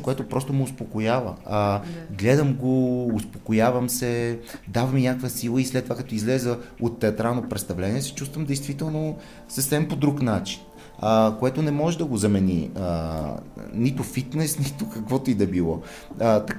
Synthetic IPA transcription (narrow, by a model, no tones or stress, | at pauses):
koɛt̪opɾɔst̪ʊmoʊspokojavə̰ | ɡlɛd̪əmɡoːspokojavɐmsɛd̪avɐminʲakəkvəsilˠəislɛt̪ːovakɛt̪ɔizlɛzəot̪ːɛɐt̪ɾalˠnopɾɛt̪st̪ɐvlɛniɛsɛ̥t͡ʃust̪vəmd̪ɛjst̪vit̪ɛlˠno | səfsɛmpod̪ɾuknat͡ʃi̥n | əkoɛt̪ʊnɛmɔʒɛd̪ɐɡozɐmɛnḭə | nit̪ʊfit̪nɛsnit̪ʊkɐkvɔt̪oid̪ɐbilˠɔ | t̪ɐ